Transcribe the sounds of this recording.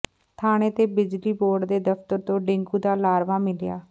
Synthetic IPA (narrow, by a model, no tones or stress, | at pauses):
t̪ʰaːɽ̃eːt̪eːbɪd͡ʒliːboːɾɖd̪eːd̪əpt̪əɾt̪õːɖɪ̃ŋɡuːd̪aːlaːɾʋaːmɪlɪja̰ː